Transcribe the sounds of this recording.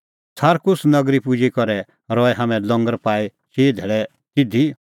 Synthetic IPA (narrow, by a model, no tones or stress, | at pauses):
sʰaːɾkʊsnɐɡɾipʊd͡ʒikɔɾɛ | ɾɔɛɦaːmɛ̃lɔ̃ŋɡəɾpaːi | ʃeːd̪ʱɛɭɛ | t̪ɪd̪ʱi